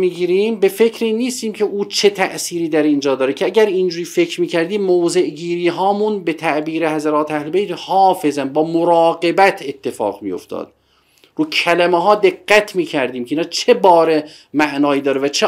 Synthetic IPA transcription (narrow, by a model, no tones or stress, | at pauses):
miːɡiːɾiːmbe̞fe̞cʰɾiːnːiːst̪iːmcʰe̞ʔuːt͡ʃʰe̞t̪ʰæ̰ʔsiːɾiːd̪æɾind͡ʒɒːd̪ɒːɾecʰeæɟæɾind͡ʒuːɾiːfe̞cʰɾmiːcʰæɾd̪iːmowze̞ʔɟiːɾiːɦɒːmunbe̞t̪ʰæʔbiːɾe̞hæzæɾɒːt̪ʰeæhle̞bejt̪hɒːfe̞zænbɒːmoɾɑːɡe̞bæt̪ʰe̞t̪ʰːe̞fɒ̰ːɣmḭjo̞̰ft̪ʰɒ̰ːd̪̥̚ | ruːcʰælæmeɦɒːd̪e̞ɡːæt̪ʰmiːcʰæɾd̪iːmkʰeiːnɑːt͡ʃʰe̞bɒːɾe | mæʔnɒːiːd̪ɒːɾevæt͡ʃʰe